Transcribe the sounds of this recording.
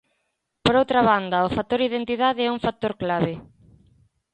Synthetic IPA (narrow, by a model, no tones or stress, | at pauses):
poɾowt̪ɾaβand̪ɐʊfat̪ːoɾiðent̪iðaðɪɛuŋfat̪oɾklaβɪ